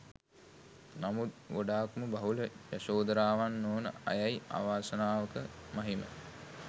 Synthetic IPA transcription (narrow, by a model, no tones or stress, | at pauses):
namut̪̚ʋoɖaːkməbaɦuləjasoːd̪əɾaːʋanːoːnə̰a̰jaja̰ːʋaːsənaːʋəkəmaɦimə̰